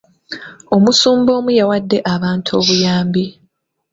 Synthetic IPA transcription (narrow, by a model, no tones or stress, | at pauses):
o̞musuːmbo̞ːmujawadːe̞ʔaβaːntʰo̞ːβujaːmbi